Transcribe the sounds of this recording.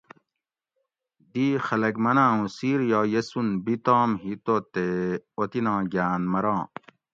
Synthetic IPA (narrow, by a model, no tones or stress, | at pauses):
d̪iːxɐlɐkmɐnãːũsiːɾjaːjɐsunbit̪ɔ̃ːmɦit̪ot̪eot̪inãːɡaːnmɐɾɑ̃ː